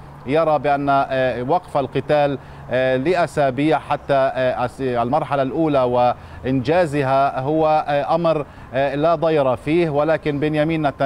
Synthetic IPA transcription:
jɑɾˤɑbɪʔanːawaqfalqɨt̪aːlː | ɪʔasaːbiːʕħat̪ːa | lmɑɾˤħalalʔuːlawɪ | ʔɪnd͡ʒaːzɪɦaɦʊwːaʔamɾ | lad̪ˤɑjɾˤɑfiːhwɪlaːkɪnbɪːnjamiːnːat̪ːa

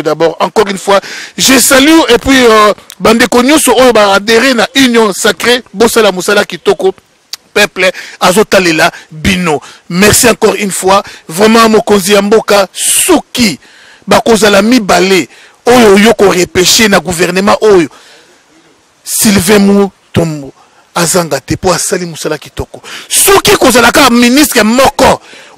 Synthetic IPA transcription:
dabɔʁɑ̃kɔʁynfwaʒesalyepɥibandekoɲɔ̃sɔojobaːdeʁenaʔynjɔ̃sakʁebosalamosalakitɔko | pɛplazotalelabinomɛʁsiɑ̃kɔʁynfwavʁɛmɑ̃mokonzijambokasuki | bakozalamibale | ojojokoʁepeʃenaɡuvɛʁnəmãʔojo | silvɛ̃mu | tomo | azaŋɡatɛpoasalimosalakitɔkɔsukikozalakaministʁɛmɔkɔ

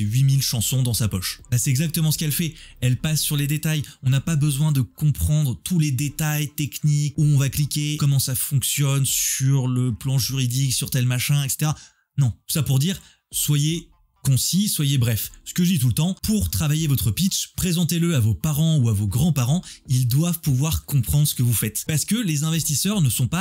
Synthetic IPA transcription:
ɥimilʃɑ̃sɔ̃d̪ɑ̃sapɔʃbasɛɛɡzak̚t̪əmɑ̃sə̥kɛlfɛɛlpasːyʁled̪et̪ajɔ̃napabəzwɛ̃d̪əkɔ̃pχɑ̃d̪ʁət̪uled̪et̪ajt̪ɛknikuɔ̃vaklikʲekɔmɑ̃safɔ̃ksjɔnsyʁləplɑ̃ʒyʁid̪iksyʁt̪ɛlmaʃɛ̃ɛkse̥t̪eʁa | nɔ̃t̪u̥sapuʁd̪iːʁ | swaje | kɔ̃siswajebʁɛfsə̥kəʒəd̪it̪ult̪ɑ̃puʁt̪χavajevɔt̪χəpit͡ʃpχezɑ̃t̪eləavopaʁɑ̃uavoɡʁɑ̃paʁɑ̃ild̪wavpuvwaʁkɔ̃pχɑ̃d̪ʁsə̥kəvufɛt̪paʁsə̥kəlezɛ̃vɛst̪isœʁnəsɔ̃pa

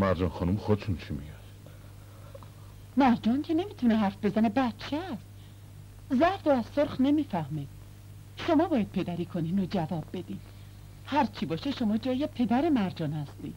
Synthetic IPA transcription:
mæɾd͡ʒɒnxɒnumxod̪et̪ʰunt͡ʃʰimḭɒjd̪̥ | mæɾd͡ʒɒːncʰe̞ne̞miːt̪ʰuneɦæɾfbe̞zænebæt̪t͡ʃʰest̪ | zæɾd̪oæzsoɾxne̞miːfæhme | ʃo̞mɒːbɒːjæd̪̚pʰe̞d̪æɾiːkʰo̞niːnod͡ʒævɒːbːe̞d̪iːd̪̥ | hæɾt͡ʃʰibɒːʃeʃo̞mɒːd͡ʒɒːjepʰe̞d̪æɾe̞mæɾd͡ʒɒːnhæst̪ḭːd̪̥

